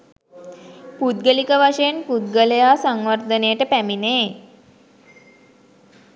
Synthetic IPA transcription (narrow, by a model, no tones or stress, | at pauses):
pud̪ɡəlikəʋaʂəjenpud̪̚ɡələjaːsaŋʋəɾd̪ənejəʈəpæmineː